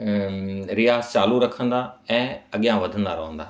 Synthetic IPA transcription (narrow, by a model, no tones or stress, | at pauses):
ɾɪjaːzt͡ɕaːluɾɐkʰə̃nd̪aɛ̃ːɐɠijãʋɐd̪ʱə̃nd̪aɾɐɦə̃nd̪aː